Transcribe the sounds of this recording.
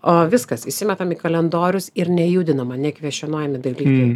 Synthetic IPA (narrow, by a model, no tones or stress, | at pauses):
oːʋʲɪskɐsɪʃsʲɪmʲɛt̪ɐmiːkɐlʲɛnd̪oːɾʲʊsɪɾnʲɛjuːd̪ʲɪnɐmɐnʲɛkʋʲiɛʃʲɛnoːjɛmʲɪd̪ɐlʲiːkɐɪ